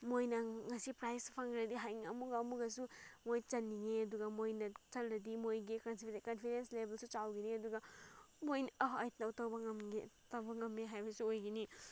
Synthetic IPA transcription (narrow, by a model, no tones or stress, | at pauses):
mojnɐŋɐsipɾajspʰɐŋɡɾɐdiɦajŋɐmuɡɐɐmuɡɐs̬umojt͡ʃɐnːiŋeɐduɡɐmojnɐt͡ʃɐlɾɐdimojɡikɐnskɐnpʰiɾenslebʱelsut͡ʃawɡiniɐduɡɐ | mojnɐɦɐjt̚nɐwtɐwbɐŋɐmetɐwbɐŋɐmːeɦajbɐsuojɡini